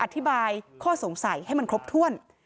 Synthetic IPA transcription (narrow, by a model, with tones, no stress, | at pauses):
ʔa˧˩t̪ʰːi˦˥baː˧jkʰɔː˥˩so˩˦ŋsa˨˩˦jha˥˩jma˧kʰɾo˦˥p̚t̪ʰu˥˩ən